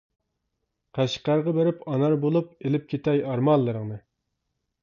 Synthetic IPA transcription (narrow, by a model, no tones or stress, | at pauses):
qʰæʃqæɾʁɑbeɾɪpɑnɑɾbolˠup̚elɪp̚kʲʰet̪ʰɛjɑɾmɑlˠːɨɾɨŋnɨ